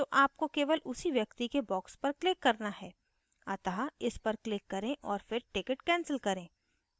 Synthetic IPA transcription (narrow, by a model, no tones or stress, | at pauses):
t̪oʔaːp̚kokeːʋəlʔʊsiʋjɐkt̪ikebɔːkspɐɾklɪkːɐɾnaɦɛː | ɐt̪aɦaɪspɐɾklɪkːɐɾẽʔɔːɾfɪɾʈɪkəʈkɛ̃ːnsəlkɐɾẽː